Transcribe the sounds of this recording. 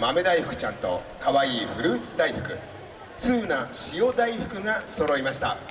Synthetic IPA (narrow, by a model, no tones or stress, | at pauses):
mame̞d̪aiɸɯ̟̥kɯ̟̥t͡ɕãnt̪o̞̰kaβaiːɸɯ̟ɾɯ̟ːt͡sɨd̪aiɸɯ̥kɯ̟ | t͡sɨːnaɕijo̞d̪aiɸɯ̟̥kɯ̟ŋaso̞ɾo̞imaɕi̥t̪a̰